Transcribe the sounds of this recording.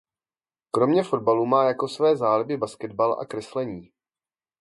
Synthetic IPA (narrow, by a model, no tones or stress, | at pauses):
kɾo̞mɲɛfo̞d̚baluːmaːjako̞svɛːzaːlɪbɪbaskɛd̪balʔa̰kɾɛslɛɲiː